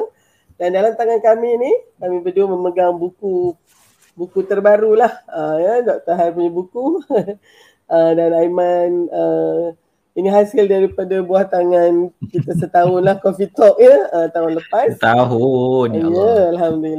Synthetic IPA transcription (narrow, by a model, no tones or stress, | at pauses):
dandalamt̪aŋankaminikamĩbəduməməɡaŋbuku | bukut̪ərbaɾulahəjədɔʔ̚t̪əɦajpuɲabuku | ʔədanaimanə | iniɦasɪldaɾipadabuaht̪aŋankit̪əsət̪aʊnlahkɔfit̪ɔʔ̚ɲəət̪aʊnləpast̪aɦʊnɲəalhamduli